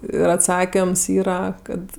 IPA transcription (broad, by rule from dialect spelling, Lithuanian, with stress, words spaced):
ɪr ɐtˈsɑːkʲɪms ˈiːrɐ ˈkɐt